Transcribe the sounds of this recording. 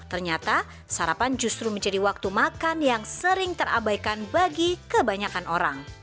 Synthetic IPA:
t̪ərɲat̪a | saɾapand͡ʒust̪ɾuməɲd͡ʒadiwak̚t̪umakanjaŋsəɾɪŋt̪əra̰bajkanbaɡikəbaɲakanʔoɾaŋ

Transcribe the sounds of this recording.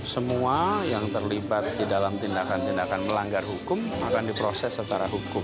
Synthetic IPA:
səmuajaŋt̪ərlibat̪̚didalamt̪indakant̪indakanməlaŋɡarɦukʊmakandipɾosɛsːət͡ʃaɾaɦukʊm

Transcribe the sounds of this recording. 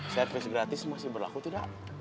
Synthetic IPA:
sɛrfɪsɡɾat̪ɪsmasɪhbərla̰kut̪ida̰ʔ

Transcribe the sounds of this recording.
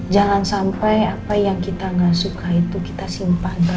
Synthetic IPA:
d͡ʒalansampajapajaŋkit̪aŋɡasukait̪uki̥t̪asimpanka

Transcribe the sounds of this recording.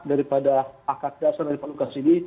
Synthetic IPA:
daɾipadaakat̪̚dasardaɾipalukasini

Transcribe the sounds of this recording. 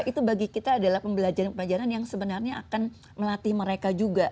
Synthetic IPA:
it̪ubaɡikit̪aːdalahpəmbəlad͡ʒaɾanpəlad͡ʒaɾanjaŋsəbənarɲaakan | məlat̪ɪhməɾekad͡ʒuɡa

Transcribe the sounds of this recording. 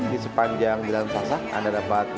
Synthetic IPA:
disəpaɲd͡ʒaŋd͡ʒəlansasaha̰ndadapat̪̚

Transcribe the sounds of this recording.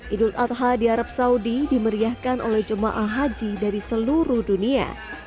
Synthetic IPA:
ʔidult̪at̪̚ɦadiaɾap̚saudidiməɾiahkanʔo̰lɛhd͡ʒəma̰ʔaɦad͡ʒidaɾisəluɾuhdunia̰

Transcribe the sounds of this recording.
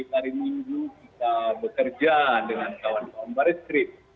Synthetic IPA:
ipaɾimiŋɡukit̪abəkərd͡ʒadəŋankawankawanbaɾisk̪ɾɪt̪̚

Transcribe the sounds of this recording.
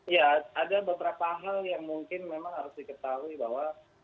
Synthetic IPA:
jaːdabəbəɾapaɦaljaŋmuŋkɪnmemaŋɦaɾʊsdikət̪aɦuibaɦwa

